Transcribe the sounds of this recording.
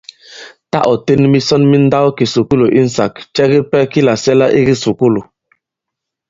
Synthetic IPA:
ta̰˦ʔɔ˨te˦nmi˦sɔ˦nmi˦n̩˦da˦wki˨su˨ku˦lo˨ʔi˦n̩˨sa̰˨kt͡ʃɛ˦ɣi˦pɛ˦ki˦la˨sɛ˦la˦ʔi˦ɣi˦su˨ku˦lo˨

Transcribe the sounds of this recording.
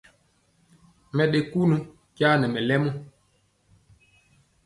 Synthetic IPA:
mɛ˨ɗe˨ku˦nu˦ | ɟaː˦nɛ˨mɛ˨lɛ˦mu˦

